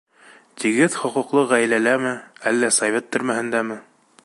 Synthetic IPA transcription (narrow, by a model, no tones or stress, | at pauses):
t̪iɡɘðχŏqŭqlˠɤʁæjlælæmɘælːæsɐvʲet̪ːɵ̆ɾmæhɘ̆nd̪æmɘ